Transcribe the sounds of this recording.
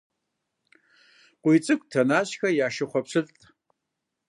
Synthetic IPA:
qʷʊjt͡sʼɨkʷʼtʰɐnaːɕxɐjaːʃɨχʷɔpʰsɨɮtʼ

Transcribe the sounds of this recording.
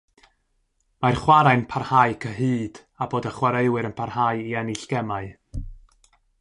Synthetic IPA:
marχwaɾaɨnpʰarhaɨkʰəɦɨːd̥ | aboːdəχwaɾeɨwɨɾənpʰarhaɨiɛnɪɬɡ̥ɛmaɨ

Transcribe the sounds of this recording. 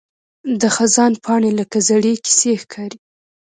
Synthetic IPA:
d̪əxazɑnpʰɑɳelakazaɽeki̥sexkʰɑɾi

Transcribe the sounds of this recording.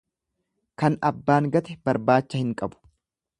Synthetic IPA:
kɐnɐbːaːŋɡɐt̪ɛbɐɾbaːt͡ʃːɐhɪŋkʼɐbʊ̥

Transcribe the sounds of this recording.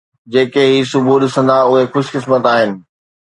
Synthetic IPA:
d͡ʑeːkeɦisʊbʱuɗɪsə̃nd̪aʊɦexʊʃkɪsmət̪aːɦɪnɪ̆

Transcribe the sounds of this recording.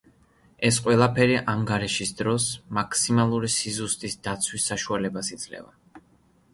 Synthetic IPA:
ɛsqʼwɛlˠapʰɛɾiʔaŋɡaɾiʃisd̪ɾɔsmakʰʼsimalˠuɾisizust̪ʼisd̪at̪sʰwisːaʃualɛbasid̪z̥lɛ̰va̰

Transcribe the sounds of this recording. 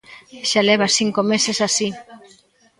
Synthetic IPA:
ʃaleβ̞asiŋkomesesasi

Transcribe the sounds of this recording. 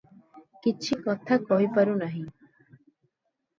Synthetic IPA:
kit͡ʃʰikɔt̪ʰakɔɦipaɾunaɦĩ

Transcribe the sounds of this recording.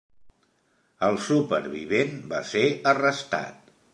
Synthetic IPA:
əlˠsupə̰ɾβiβenba̰seərəst̪a̰t̪

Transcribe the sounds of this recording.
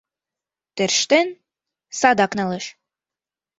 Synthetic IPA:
t̪ĕɾʃt̪en | sɑd̪ɑknɑlɤʃ

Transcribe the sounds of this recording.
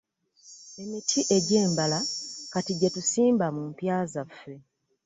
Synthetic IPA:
e̞mitʰiʔe̞ɟeːmbalakatiɟetusiːmbamumpjaːzafːe̞

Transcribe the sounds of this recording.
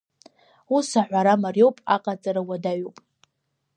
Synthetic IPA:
usaʕʷaɾamarjo̞wpʼa̰qʼat͡sʼaɾawadaɥopʼ

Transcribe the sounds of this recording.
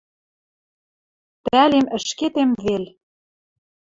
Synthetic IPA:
t̪ælemə̆ʃket̪emvel

